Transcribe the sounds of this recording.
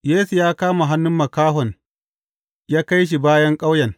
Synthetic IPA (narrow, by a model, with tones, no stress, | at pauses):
jeː˦su˨jaː˦kaː˦ma˨ɦa˦nːʊ˦mːɐ˨kaː˦ɦɔ˨n | jaː˦ka˦jʃ̬i˨baː˦jɐ˦ŋkʼa˦wjɐ˨ŋ